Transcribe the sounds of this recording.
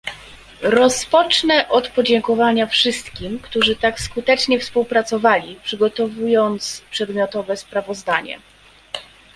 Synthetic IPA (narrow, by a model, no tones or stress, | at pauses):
ɾɔspɔt͡ʂnɛʔɔt̪pɔd͡ʑɛŋkɔvaɲafʂɘst̪kʲimkt̪uʐɘt̪akskut̪ɛt͡ʂɲɛfspuwpɾat̪sɔvalʲipʂɘɡɔt̪ɔvujɔnt̪spʂɛd̪mʲjɔt̪ɔvɛspɾavɔzd̪aɲɛ̰